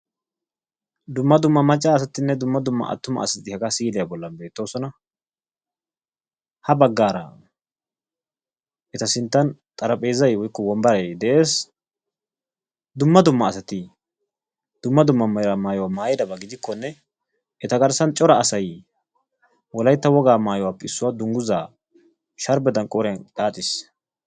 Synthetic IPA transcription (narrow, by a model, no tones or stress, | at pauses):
d̪ʊmːɐd̪ʊmːɐmɐt͡ʃʼːaːs̬ɐt̪ːɪnːɛd̪ʊmːɐd̪ʊmːɐ̰ʔɐ̰t̪ːʊmɐ̰ɐ̰sɐt̪ɪhɐɡasiːlɛjɐbɔlːɐnbe̞ːt̪ːo̞ːsɔnɐ | hɐbɐɡːaːɾɐ̰ | ʔɛt̪ɐsɪnt̪ːɐnt̪ʼɐɾɐpʼe̞ːzːɐjwɔjkːɔwɔmbɐɾɛd̪ɛʔe̞ːs | d̪ʊmːɐd̪ʊmːɐːsɐt̪ɪ | d̪̥ʊmːɐd̪ʊmːɐmɐjɾamaːjɔwaːmaːjɛd̪ɐbɐɡɪd̪ɪkːɔnːɛ | ɛt̪ɐɡɐɾsɐnt͡ʃʼɔɾɐːsɐj | wɔlɐjt̪ːɐwɔɡaːmaːjɔwapːɛɪsːʊwad̪ʊŋɡʊzaː | ʃɐɾbɛd̪ɐnkʼɔːɾɛjɐnkaːt̪ʼːɪs